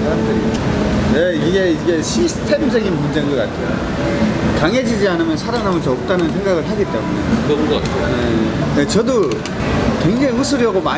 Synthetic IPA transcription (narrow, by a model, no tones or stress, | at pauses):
adeojeiɡe̞iɡe̞ɕʰisʰɯ̥tʰe̞msʰʌɡinmund͡ʑe̞ŋɡʌk͈a̰tʰejo̰ | kaŋɦe̞d͡ʑid͡ʑianɯmjʌnsʰaɾaŋɦamont͡ɕʌːk̚t͈anɯnsʰeŋɡaɣɯɭɦaɡit͈e̞munḛjooodoat͡ɕ͈oejet͡ɕʌdo | kweŋd͡ʑaŋiusʰɯɾjʌɡoma